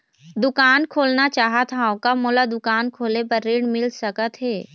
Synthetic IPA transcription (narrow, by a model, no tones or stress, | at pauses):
d̪ʊkaːnkʰoːlnat͡ʃaːɦət̪ʰaokamolad̪ʊkaːnkʰoːlepɐɾːeːɽmɪlsɐkət̪ɦɛː